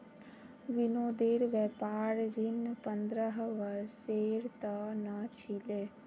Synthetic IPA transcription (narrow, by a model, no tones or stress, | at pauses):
ʋɪnoːd̪eːɾʋɛpaːɾɾinpə̃nd̪ɾəɦʋəɾseːɾt̪ənət͡ʃʰileː